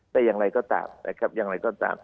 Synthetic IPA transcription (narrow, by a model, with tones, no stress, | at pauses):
t̪ɛː˧˩jaː˧˩ŋɾa˧jkɔː˥˩t̪a̰ː˨˩mna̰˧˩kʰɾa˦˥p̚jaː˨˩ŋɾa˧jkɔː˥˩t̪a̰ː˨˩m